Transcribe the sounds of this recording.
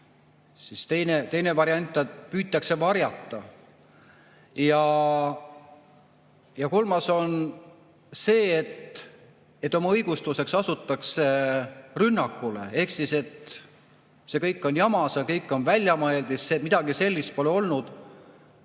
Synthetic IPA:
sist̪e̞jnet̪e̞jne̞vɑɾiɑnʲt̪ːˑɑpyːt̪ːˑɑkse̞vɑɾjɑt̪ˑːɑ | jɑ | jɑko̞lmɑso̞n | se̞ːet̪ | e̞t̪ːˑo̞mɑɤjɡ̥ust̪use̞ksɑsut̪ːˑɑkse̞rynːɑkːˑule̞e̞hksise̞t̪ | se̞kɤjkːˑo̞njɑmɑsjɑkɤjkːˑo̞nvælʲjɑmɤeld̪̥isemid̪̥ɑɡise̞lʲːist̪̚po̞leo̞lnud̪̥

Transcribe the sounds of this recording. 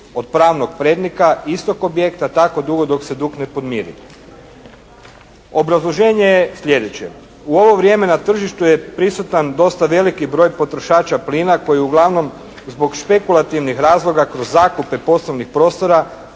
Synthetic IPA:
od̪̚pɾaːʋno̞ɡ̚pɾeːd̪nikaist̪o̞ko̞bje̞kt̪at̪ako̞d̪uɡo̞d̪o̞kse̞d̪ukne̞po̞d̪miːɾḭ | o̞bɾazlˠoʒe̞ːɲe̞jesʎʲe̞d̪et͡ɕe̞̰ | uo̞ʋo̞ʋɾje̞ːme̞nat̪r̩ʒiʃt̪ujepɾisut̪and̪o̞st̪aʋe̞likibɾo̞ːjpo̞t̪ɾo̞ʃaːt͡ʃapliːnako̞jiuɡlˠaʋno̞m | zbo̞ɡʃpe̞kulˠat̪iʋnixɾaːzlˠo̞ɡakɾozːaːkupe̞po̞sloʋnixpɾo̞ːst̪o̞ɾa

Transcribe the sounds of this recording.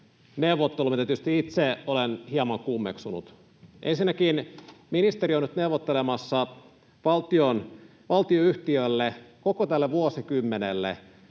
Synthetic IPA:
neuʋːˑot̪ːelumit̪æt̪yst̪iit̪seolenhiɑmɑŋkumːḛksunṵt̪ | ʔensinːækiːnminist̪erionyt̪neuʋːˑot̪ːelemɑsːɑ | ʋɑlt̪ion | ʋɑlt̪ioyht̪iølːekokot̪ælːeʋuosikymːenelːḛ

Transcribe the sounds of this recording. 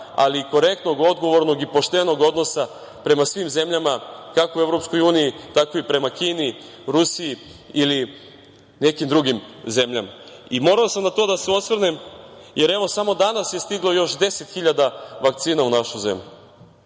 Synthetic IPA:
a̰liko̞ɾe̞k̚t̪no̞ɡo̞d̪ɡo̞ʋo̞ɾno̞ɡipo̞ʃt̪e̞no̞ɡo̞d̪no̞sa | pɾe̞masʋimze̞mʎamakakoue̞vɾo̞psko̞juːnijit̪ako̞ipɾe̞makiːni | ɾusiiili | ne̞kimd̪ɾuɡimze̞mʎama | imo̞ɾalosamnat̪o̞d̪aseo̞t̪sʋr̩nemje̞ɾe̞ʋo̞samo̞d̪anasje̞st̪iɡlo̞jo̞ʃd̪e̞se̞t̪xiʎad̪aʋak̚t̪siːnaunaʃuze̞̰mʎʲu

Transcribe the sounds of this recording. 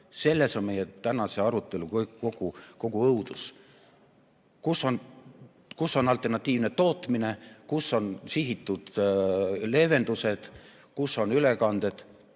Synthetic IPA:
se̞lːe̞so̞nme̞jet̪ænɑse̞ɑɾut̪ːˑe̞lukkko̞ɡ̥uko̞ɡ̥uɤud̪̥us | kusːo̞n | kusːo̞nɑlt̪ːˑe̞rnɑt̪ʲːˑiːvne̞t̪o̞ːt̪ˑmine̞kusːo̞nsiɦit̪ːˑud̪̥ | le̞ve̞nd̪use̞d̪̥ | kusːo̞nylekɑnd̪̥e̞d̪̥

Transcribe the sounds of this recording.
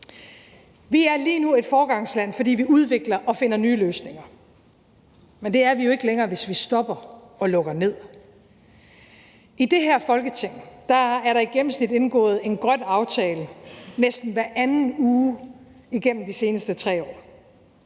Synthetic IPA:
ʋiæɐliːnue̝d̥fɒːɡ̥ɑ̈ŋ̰slæn̰fɒ̽d̥ḭːʋiuð̞ˠʋe̝ɡ̥lɐʔɒ̽fe̝n̰ɐnyːløːsne̝ŋɐ | mend̥e̝æɐʋijo̝e̝ɡ̥əleŋɐːʋe̝sʋisd̥ɒ̽b̥ɐ | ɒ̽lɔ̽ɡ̥ɐne̝ð̰ˠ | id̥e̝ɦæɐ̰fɒ̽lɡ̥ət͡sʰe̝ŋ̰d̥ɑ̈æɐɾɑ̈iɡ̥em̰m̩snid̥e̝nɡ̥ɔ̰̽ːð̩ˠe̝nɡ̥ʁɶn̰ɑ̈ʊt͡sʰɛːlənesd̥n̩ʋæɐʔænn̩uːiɡ̥en̰m̩d̥ise̝ːnəsd̥ət͡sʰʁɛ̰ːɒ̰ː

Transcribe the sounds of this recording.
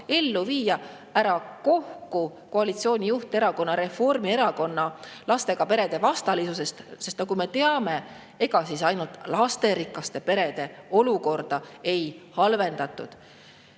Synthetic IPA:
e̞lːuviːjɑ | æɾɑko̞hkuko̞ɑlit̪sio̞ːnʲijuht̪e̞ɾɑko̞nːɑɾe̞fo̞rmie̞ɾɑko̞nːɑlɑst̪e̞ɡ̥ɑpe̞ɾe̞d̪̥e̞vɑst̪ɑlisuse̞st̪sest̪nɑkume̞t̪e̞ɑme̞ | e̞ɡ̥ɑsisɑjnult̪lɑst̪e̞ɾikːˑɑst̪e̞pe̞ɾe̞d̪̥e̞o̞luko̞rd̪̥ɑe̞jhɑlve̞nd̪̥ɑt̪ːˑṵd̪̥

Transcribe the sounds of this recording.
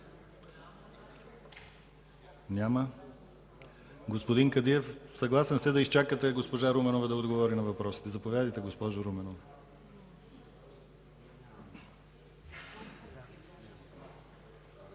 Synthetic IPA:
nʲamɐ | ɡospod̪iŋkɐd̪iɛfsɐɡlˠasɛnsɛd̪ɐist͡ʃakət̪ɛɡospoʒaɾumɛnovɐd̪ɐod̪ɡovɔɾinɐvɐpɾɔsi̥t̪ɛzɐpovʲjad̪ɐjt̪ɛɡospɔʒɾumɛnov

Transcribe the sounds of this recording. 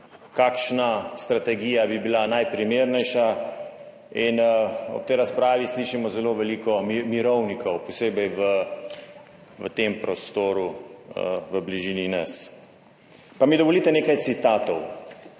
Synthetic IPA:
kaːkʃnast̪ɾat̪ɛɡiːjabibilanajpɾimeːɾnɛjʃa | inɔ̰pt̪ɛjɾaspɾaːʋisliːʃimɔzɛloʋɛliːkɔmimiɾɔwnikʰɔwpɔseːbɛjʋə | ʋət̪empɾɔst̪oːɾu | ʋəbliʒiːninɐs | pamid̪ɔʋɔlit̪ɛneːkajt̪sit̪aːt̪ɔw

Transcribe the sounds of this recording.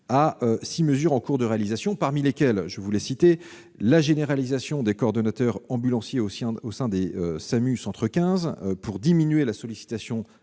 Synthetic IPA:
aøsiməzyʁɑ̃kuʁd̪əʁealizasjɔ̃paʁmilekʲɛlʒəvulɛsit̪e | laʒeneʁalizasjɔ̃d̪ekɔɔʁd̪ɔnat̪œʁɑ̃bylɑ̃sjeõosɛ̃d̪eøsamysɑ̃t̪χəkʲɛ̃zpuʁd̪iminɥelasɔlisi̥t̪asjɔ̃

